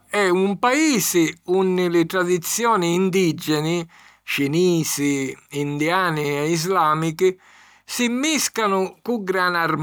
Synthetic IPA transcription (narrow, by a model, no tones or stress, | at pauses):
ɛumpaiːsɪunːɪlɪt̪ɾad̪it̪sːjɔːnɪːnd̪id͡ʒːɛnɪ | t͡ʃiniːsɪind̪iaːnɪɛizlaːmikɪ | simːiskanʊkuɡɾanarm